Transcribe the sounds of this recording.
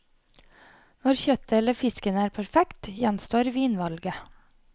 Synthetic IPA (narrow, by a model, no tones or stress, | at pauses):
nɔɾçœt̪əɛləfɪskənəæːɾpʰæɾfɛkt̪jænst̪oːɾʋiːnʋɑlɡə